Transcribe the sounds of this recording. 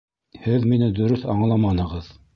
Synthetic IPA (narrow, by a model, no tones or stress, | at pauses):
hɘðminɘd̪ɵ̆ɾɵθɑɴlˠɑmɑnɤ̆ʁɤð